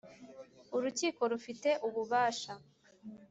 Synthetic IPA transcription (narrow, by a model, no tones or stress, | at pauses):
uɾuciːko̞ɾufite̞ʔuβuβaːʃa